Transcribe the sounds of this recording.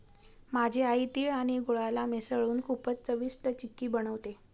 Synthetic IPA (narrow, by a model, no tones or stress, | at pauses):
mad͡ʑʱeait̪iːɭaɽ̃iɡoɭalamesəɭuːnkʰupət͡st͡səʋisʈət͡ɕikːiːbəɽ̃əʋt̪e